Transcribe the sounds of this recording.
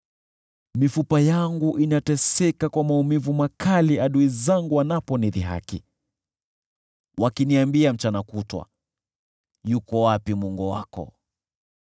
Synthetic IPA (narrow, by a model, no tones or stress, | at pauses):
mifupajaŋɡuʔinatɛsɛkakwamaumivumakʰaliaɗuizaŋɡuwanapɔniðiɦa̰kḭ | wakiniambiam̩t͡ʃanakutwa̰ | jukɔwapimɔŋɡɔwa̰kɔ̰